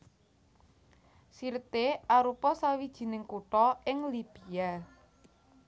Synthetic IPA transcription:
sirt̪eʔaɾupɔsawid̥ʒ̥i̤nɪŋkuʈɔɪŋlib̥ija

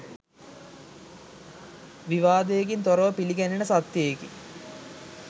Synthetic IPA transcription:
ʋiʋaːd̪əjek̬int̪oɾəʋəpiliɡænenəsat̪jeekḭ

